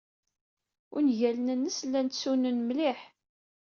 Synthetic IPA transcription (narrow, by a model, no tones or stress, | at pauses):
ʊnʝælənənːəslːænsunənmlɪħ